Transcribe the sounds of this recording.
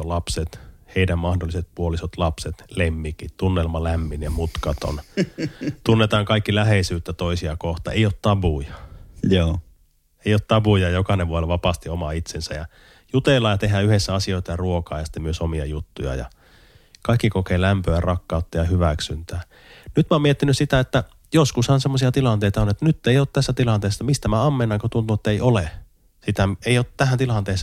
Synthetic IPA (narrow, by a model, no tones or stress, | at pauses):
olɑpset̪heidæmmɑhdoliset̪̚puolisot̪lɑpset̪lemːikit̪t̪unːelmɑlæmːinjɑmut̪kɑt̪o̰n | t̪unːet̪ɑːŋkɑikːilæɦeisyːt̪ːæt̪oisiɑkoht̪ɑ̰eijˑot̪t̪ɑbujɑ̥joː | eijˑoːt̪t̪ɑbujɑjokɑneʋʋuɑelʋɑpɑst̪iomɑit̪sensæjɑ | jut̪elːˑɑːjɑt̪eɦæːyhesːæɑsioˑit̪ɑjɑruokɑːjɑsi̥t̪ːemyøsomiɑ̰jut̪ːujɑ̰jɑ̰ | kɑˑikːikokeːlæmpøærɑkːɑˑut̪ːɑjɑhyʋæksynt̪æː | nyt̪moːmiet̪ːinyssit̪æet̪ːæ | joskushɑnsemːosiɑt̪ilɑnt̪eˑit̪ɑonet̪ːænyt̪ːeijoːt̪t̪æst̪ːæt̪ilɑnt̪eːsːɑmist̪æmæɑmːenːɑŋkot̪unt̪uet̪ːæeiole | sit̪æeˑijot̪t̪æhænt̪ilɑnt̪eːsːɑ